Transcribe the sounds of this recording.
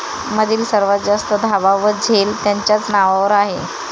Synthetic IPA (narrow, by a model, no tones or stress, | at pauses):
məd̪ʱiːlsəɾʋad͡zast̪əd̪ʱaʋaʋəd͡zʱelt̪jaɲt͡ɕjat͡snaʋaʋəɾaɦe